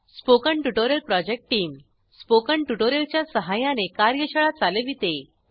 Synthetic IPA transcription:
spokəɳʈuʈoɾjəlpɾɔd͡ʑek̚ʈʈiːm | spokəɳʈuʈoɾjəlt͡ɕjasəɦajanekaɾjəɕəɭat͡saleʋit̪e

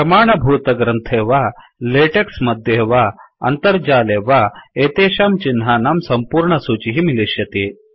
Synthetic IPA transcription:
pɾɐmaːɳɐbʱuːt̪ɐɡɾɐnt̪ʰeːʋa | leʈeksmɐd̪ʱjeʋaɐ̰nt̪əɾd͡ʑaːleʋaeːt̪eːɕaːmt͡ɕinɦaːnaːmsɐmpuːɾɳɐsuːt͡ɕiɦimileɕjɐt̪eː

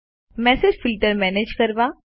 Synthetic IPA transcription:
mɛ̃ːsed͡ʒfɪlʈəɾmɛːneːd͡ʒkɐɾʋaː

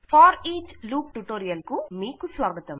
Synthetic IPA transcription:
faːɾiːt͡ʃluːk̚ʈuʈoːɾɪjɐlkumiːkusʋaːɡɐt̪ɐm

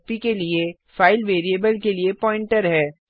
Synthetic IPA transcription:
pikelie | faːɪlʋeːɾiebəlkeliepɔːɪ̃ɳʈəɾɦɛː

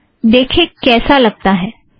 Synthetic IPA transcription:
d̪eːkʰekɛːsalɐɡ̚t̪aɦɛː

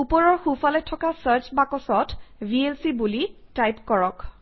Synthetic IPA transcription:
upɔɹɔɹxufalɛtʰɔkasaɹt͡ʃbakɔsɔtbʱielsibulitajpkɔɹɔk

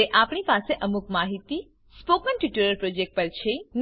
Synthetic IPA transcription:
eʔapɳ̃ipaseʔəmukmaɦit̪i | spokənʈiʈuɾəɾpɾod͡ʒek̚ʈ̚pəɾt͡ʃʰen

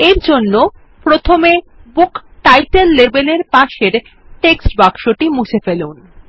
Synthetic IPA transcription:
eɾd͡ʑonːo | pɾot̪ʰome | bukʈajʈelːebeleɾpaʃeɾ | ʈeksʈbakʃoʈimut͡ɕʰefelun

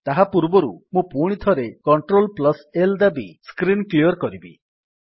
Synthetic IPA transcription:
t̪aɦapuɾbɔɾumũpuɽ̃it̪ʰɔɾekɔɳʈɾolplɔseld̪abiskɾinkliɔɾkɔɾibḭ

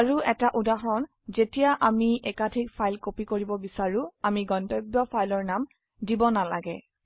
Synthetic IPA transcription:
aɹuɛtaʔudaɦɔn | zetijaʔamiʔɛkatʰik̚pʰajlkopikoɹibɔbisaɹʊamiɡɔntɔjbjɔpʰajlɔɹnam | dibɔnala̰ɡɛ

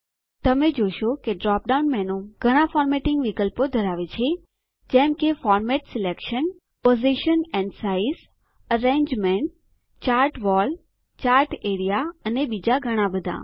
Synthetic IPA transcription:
t̪əmed͡ʒojʃokeɖɾɔp̚ɖaunmɛnõɡʱəɽ̃ãfɔɾmeʈɪ̃ŋɡʋikəlpod̪ʱəɾaʋet͡ʃʰe | d͡ʒɛ̃mkefɔɾmɛʈsɪlekʃən | poziʃənɛ̃ɳɖsais | əɾẽɲd͡ʒmẽɳʈ | t͡ʃaːɾʈʋɔl | t͡ʃaɾʈeɽijaənebid͡ʒaɡʱəɽ̃ãbəd̪ʱã̰

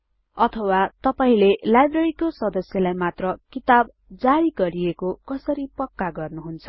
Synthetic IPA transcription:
ʌt̪ʰʌwat̪ʌpaĩlelajbreɾikosʌd̪ʌsjʌlajmat̪rʌkit̪ab | d͡zaɾiɡʌɾijekokʌsʌɾipʌkːaɡʌrnuɦunt͡sʰʌ̥

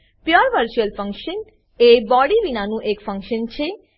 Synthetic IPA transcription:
pjoɾʋəɾt͡ɕuəlfəŋkʃən | ebɔɽibinanũʔekfəŋkʃənt͡ɕʰe

